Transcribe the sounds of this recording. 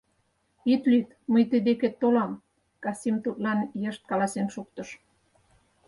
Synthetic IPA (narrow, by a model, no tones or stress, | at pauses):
it̪lyt̪məjt̪əd̪eket̪ːolɑm | kɑsimt̪ut̪lɑnjəʃt̪̚kɑlɑsenʃuk̚t̪ə̆ʃ